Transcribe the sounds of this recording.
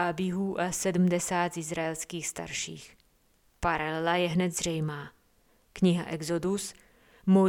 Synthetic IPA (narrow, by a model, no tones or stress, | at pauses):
abjɪɦuːʔasɛdm̩dɛsaːt̪zɪzɾaɛlskiːxst̪a̰ɾʃḭːx | paɾalɛlajɛɦnɛd̪zr̝ɛjmaː | kɲɪɦa̰ʔɛɡzodus | mo